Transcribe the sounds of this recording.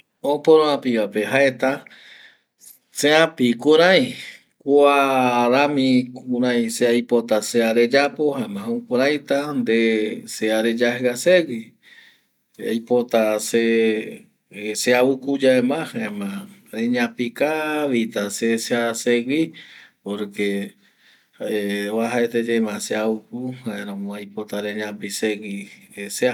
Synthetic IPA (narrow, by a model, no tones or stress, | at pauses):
opõɾõãpiβapeɦaet̪a | seãpikuɾãj | kʷaɾamĩkũɾãj̃seajpot̪aseaɾe̞d͡ʒapohaemãõũkuɾajt̪and̪eseaɾe̞d͡ʒahaseɡi | ajpot̪ase | seaukud͡ʒaemãhaẽmãɾeɲãpikaβit̪aseseaseɡipoɾke | eβaɦaet̪ed͡ʒemãseaukuhaẽɾõmõajpot̪aɾẽɲãpiseɡisea